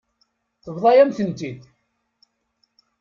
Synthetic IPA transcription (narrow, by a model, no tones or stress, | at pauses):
θəvðˤɑjæmθənt̪id̪